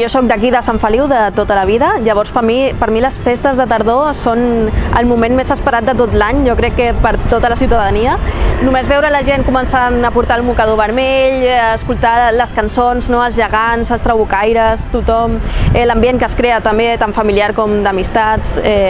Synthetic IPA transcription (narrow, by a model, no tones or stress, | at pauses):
josɔk̚d̪ək̬iðəsaɱfəliwðət̪ot̪ələβ̞iðəʎəβ̞ɔɾspəɾmipəɾmiləsfest̪əzðət̪əɾðosonə̰lˠmumenmezəspəɾat̪̚d̪ət̪ot̪laɲʒɔkɾɛkːəpəɾt̪ot̪ələsiuwt̪aðəniənumezβɛwɾələʒenkumənsanəpuɾt̪aəlmukəðoβəɾmeʎəːskulˠt̪aləskənsonznoəlˠzʒəɣanzəlˠst̪ɾəβukajɾəst̪ut̪ɔmɛləmbieŋkəskɾeət̪əmbet̪aɱfəmiliaɾkɔmd̪əmist̪at͡sɛ